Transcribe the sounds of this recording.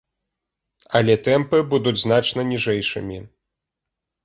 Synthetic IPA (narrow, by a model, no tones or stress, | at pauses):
ɐlʲɛt̪ɛmpɨbud̪ud͡zʲzn̪at͡ʂnɐnʲiʐɛjʂɨmʲi